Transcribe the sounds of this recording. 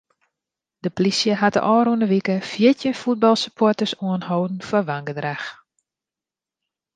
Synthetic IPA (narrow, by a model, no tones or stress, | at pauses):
d̥əplisjəɦatə̰ʔɔːɾunəʋikəfjɪtjənfut̚bɑlˠsəpʰɔtəsuənhowdn̩fɔʋaŋɡədrax